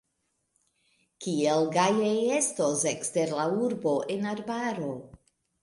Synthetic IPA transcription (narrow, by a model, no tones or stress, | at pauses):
kielɡajeje̞stosekste̞ɾlauɾbo̞ʔe̞naɾbaɾo̞